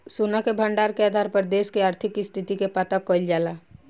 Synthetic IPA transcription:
suːnakebʱə̃ɳɖaːɾkeaːd̪ʱaːɾpəɾd̪eːskeaːɾt̪ʰɪkːist̪ʰɪt̪ikepaːt̪akəɪld͡ʒaːlaː

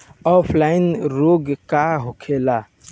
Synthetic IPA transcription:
ɔpʰlaɪnɾoɡkaɦokʰela

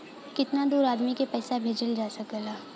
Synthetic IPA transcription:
kɪt̪nad̪uːɾaːd̪mikepɛːsabʱeːd͡ʒəld͡ʒaːsɐkəlaː

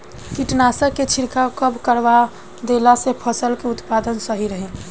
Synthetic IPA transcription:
kiʈnasəkːet͡ʃʰiɾkʰakəbkəɾʋa | d̪elasepʰəsəlkeʊt̪pad̪ənsəɦiɾəɦẽ

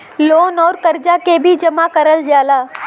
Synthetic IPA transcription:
loːnɔːɾkɐɾd͡ʒakebʱid͡ʒɐmakɐɾəld͡ʒaːlaː

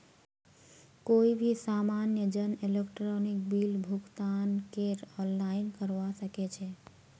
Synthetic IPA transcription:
koibʱisamanjəd͡ʒənelekʈɾɔnik̚bilbʱuɡt̪ankeɾɔnlaɪnkəɾʋasəket͡ʃʰɛ

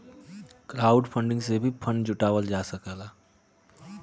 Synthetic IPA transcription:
kɾaːʊɖpʰə̃ɳɖɪ̃ŋɡsebʱipʰənd͡ʒʊʈaːʋəld͡ʒaːsəkaːlaː

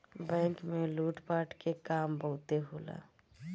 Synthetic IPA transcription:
bɛ̃ːŋkmẽluːʈpaːʈkekaːmbəɦʊt̪eɦoːla̰ː

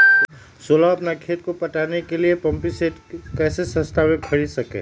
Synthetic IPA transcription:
solaɐpnakʰeːt̪̚kopɐʈanekeliepɐ̃mpiseʈkɛːsesə̃st̪ʰamẽbʱəɽisɐkḛ̃ː

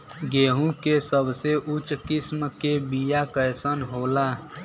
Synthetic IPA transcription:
ɡeːɦũkesəbseʔut͡ʃkismkebijakəjsənɦoːla

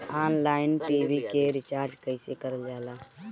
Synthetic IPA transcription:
aːnlaːɪnʈiːbikeɾɪt͡ʃaːɾd͡ʒkəɪsekəɾəld͡ʒaːlaː

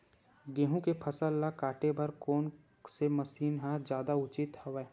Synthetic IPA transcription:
ɡẽːɦũkepʰəsəlːakaːʈebɐɾkoːn | seməsiːnɦãd͡ʒjaːd̪aʊt͡ʃɪt̪həʋɛː

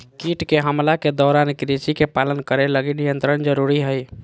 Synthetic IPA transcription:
kiʈkeɦəmlaked̪ɔɾankɾit͡ʃikepalənkəɾeləɡenijənt̪ɾənd͡ʒəɾuɾiɦəj

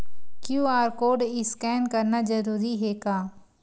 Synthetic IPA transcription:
kjũːaːɾkoːɖiːskɛːnkəɾnaːd͡ʒəɾuːɾiːɦeːkaː

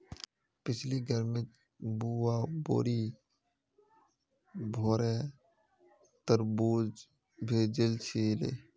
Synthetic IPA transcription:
pɪt͡ʃʰliɡʱəɾmẽ | buwaːbo̰ːɾi | bʱoːɾɛ | t̪əɾbuːd͡ʒ | bʱeːd͡ʒəlt͡ʃʰeːlḛː

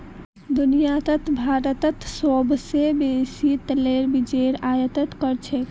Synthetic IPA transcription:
d̪unijat̪ət̪bʱaɾət̪ət̪sobsebesit̪leɾbid͡ʒeɾajət̪ət̪kəɾt͡ʃʰɛ

